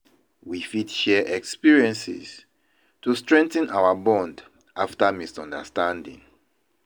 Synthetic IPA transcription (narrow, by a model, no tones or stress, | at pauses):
wifidʃɛʔɛkspiɹiɛ̃nsḭz | tustɹɛ̃ŋtə̃nʔawabɔ̃nd | ʔaftamisɔ̃ndə̰stãndḭ̃ŋ